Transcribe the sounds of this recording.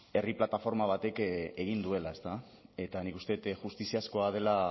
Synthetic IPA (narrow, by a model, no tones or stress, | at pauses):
e̞riplat̪afo̞ɾmaβ̞at̪e̞ke̞ɣ̞ind̪ue̞lae̞st̪a | e̞t̪anikust̪e̞t̪ʝust̪isiasko̞að̞e̞la